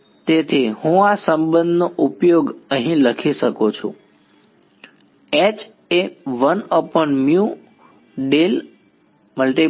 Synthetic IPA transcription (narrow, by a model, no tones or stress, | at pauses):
t̪et̪ʰihũasəmbə̃nd̪noʔupjoɡəɦĩləkʰiʃəkot͡ʃʰṵ̃ | et͡ʃ | eʋənəpəɳmju | ɖel | məlʈi